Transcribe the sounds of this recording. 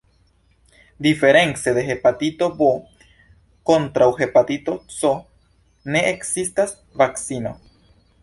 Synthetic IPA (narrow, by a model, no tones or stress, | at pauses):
d̪ife̞ɾe̞nt͡se̞d̪e̞ɦe̞patit̪o̞bo | ko̞nt̪ɾawxe̞pat̪ito̞t͡so | ne̞eksistas | vaksino̞̰